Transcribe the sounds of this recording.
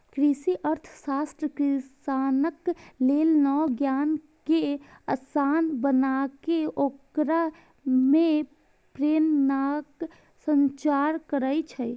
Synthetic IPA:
kɾisiʔəɾt̪ʰsast̪ɾəkɾisanəklelnɔɡjaːn | keəsanbənakeokɾa | me | pɾeːmnak | sənt͡ʃaɾkəɾəjt͡ʃʰɛ

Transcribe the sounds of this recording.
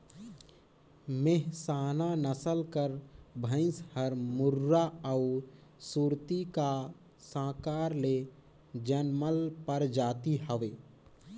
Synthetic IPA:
meɦsaːnanəsəlkəɾbʱə̃ɪ̃shəɾmʊɾːaəʊsuɾt̪ika | sãːkaːɾle | d͡ʒənməlpəɾd͡ʒaːt̪iɦəʋeː

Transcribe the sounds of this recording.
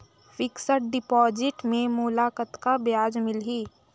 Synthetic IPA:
fɪksəʈ̚ɖɪpɔːd͡ʒɪʈmẽmʊlaːkət̪kabjaːd͡ʒmɪlɦiː

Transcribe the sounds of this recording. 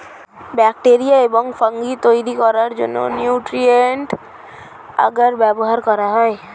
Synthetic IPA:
bɛk̚ʈeɾijaebɔŋfəŋɡit̪oiɾikɔɾaɾd͡ʒo̰nːo̰njuːʈɾieɳʈ | ə̰ɡəɾbɛboɦaɾkɔɾaɦɔe

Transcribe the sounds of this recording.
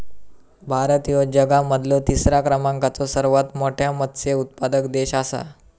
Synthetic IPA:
bʱaɾət̪ijod͡ʑəɡaməd̪ʱlot̪isɾakɾəmaŋkat͡sɔsəɾʋat̪moʈʰjamət̪t͡seut̪̚pad̪əkd̪eɕasa̰

